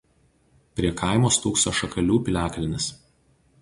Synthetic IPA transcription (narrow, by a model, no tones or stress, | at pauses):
pʲɾʲiɛkʰɐˑɪmoːst̪uːksoːʃɐkɐlʲuːpʲɪlʲæːklʲɪnʲɪs